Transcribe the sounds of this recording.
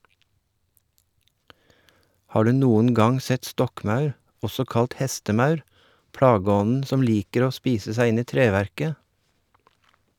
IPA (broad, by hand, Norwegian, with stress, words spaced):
ˈhɑː ˈɖʉː ˈnuːən ˈɡɑŋ ˈsɛt ˈstɔkˌmɑʉɾ ˈɔsɔ ˈkɑlʈ ˈhɛstəˌmɑʉɾ ˈpɽɑːˌɡɔnn̩ ˈsɔm ˈliːkəɾ ˈoː ˈspiːsə ˈsæɪ ˈɪn ˈiː ˈtɾeːʋæɾkə